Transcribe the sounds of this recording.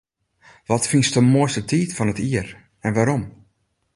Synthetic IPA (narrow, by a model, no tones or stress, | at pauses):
ʋɔtfinstəmoəstətiːtfɔnətiər | ɛnʋaɾɔm